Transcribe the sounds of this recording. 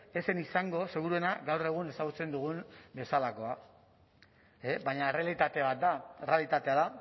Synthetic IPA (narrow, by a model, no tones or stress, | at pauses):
e̞se̞nisaŋɡo̞se̞ɣ̞uɾue̞naɡawre̞ɣ̞une̞saɣut͡se̞nd̪uɣumbe̞salako̞a | ebajɲaere̞alit̪at̪eβat̪̚d̪aere̞alit̪at̪e̞aða